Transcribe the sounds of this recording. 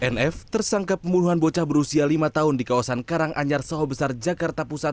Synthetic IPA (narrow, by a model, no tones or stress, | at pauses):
ʔɛnɛft̪ərsaŋkapəmbunuɦanbot͡ʃahbəɾusialimat̪aɦʊndikawasankaɾaŋʔa̰ɲarsaɦobəsard͡ʒakart̪apusat̪